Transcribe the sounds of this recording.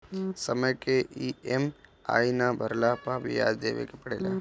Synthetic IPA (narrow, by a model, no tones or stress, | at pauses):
səməjkeʔiema̰ːinabʱəɾlapaʋija̰ːd͡ʒd̪eːʋḛkepɐɽeːlaː